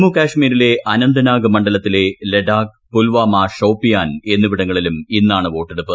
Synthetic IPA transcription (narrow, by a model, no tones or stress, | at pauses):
mukaːʂmiːɾile̞ʔɐnɐnd̪ɐnaːɡɐmɐɳɖɐlɐt̪ːile̞leɖaːk̚ | pulʋaːmaːʂɐwpːijaːne̞nːuʋiɽɐŋːɐɭiluminːaːɳɨʋo̞ːʈːeɽupːɨ